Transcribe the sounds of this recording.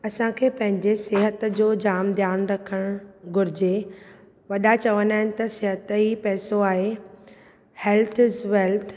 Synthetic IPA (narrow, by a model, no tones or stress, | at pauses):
ɐsãkʰeːpɐ̃ɦɪ̃ɲd͡ʑeseːɦət̪d͡ʑoːd͡ʑaːmd̪ʱjaːnɾɐkʰəɽ̃ɡʊɾɪd͡ʑe | ʋɐɗat͡ɕɐʋənaːɦɪnɪ̆t̪ɐseɦət̪ipɛːsoaːɦe | hɛːlt̪ʰzʋɛːlt̪ʰ